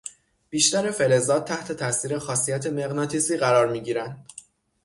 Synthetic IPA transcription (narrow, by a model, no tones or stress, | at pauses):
b̥iːʃt̪æɾe̞fe̞le̞zɒːt̪̚t̪ːʰæht̪ʰe̞t̪ʰæsiːɾe̞xɒːsijæt̪ʰeme̞ɣnɒːt̪ʰiːsiːɣæɾɒːɾmiːɟiːɾænd̪̥